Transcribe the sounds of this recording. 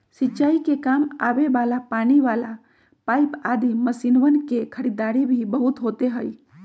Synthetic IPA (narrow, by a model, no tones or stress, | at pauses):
sitːt͡ʃaːikekaːma̰ʋebalapaniʋaːla | paːipad̪iməsinʋənkekʰəɾid̪aːɾibʱibəɦʊt̪ɦot̪eɦəi